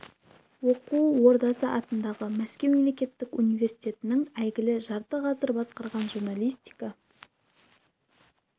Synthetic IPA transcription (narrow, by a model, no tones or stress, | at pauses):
wo̞quwo̞ɾd̪ɑsəʔɑt̪ənd̪ɑʁəmæskʲe̞wme̞mle̞kʲe̞t̪ːɪkunijve̞ɾsijt̪ʲe̞t̪ɪnɪŋæjɡʲɪlɪʒɑɾt̪əqʰɑzəɾbɑsqɑɾʁɑnʒuɾnalʲˠijst̪i̥jkɑ